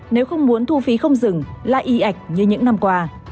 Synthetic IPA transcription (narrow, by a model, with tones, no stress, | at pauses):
ne˨˦wxə˧wŋ͡mmu˨˦ənt̪ʰu˧fi˨˦xə˧wŋ͡mzɨ˨˩ŋla̰ː˨˩ʔi˨˦ʔa˨˩jk̟̚ɲɨ˧ɲɨ̰˧˥ŋna˧mkwaː˧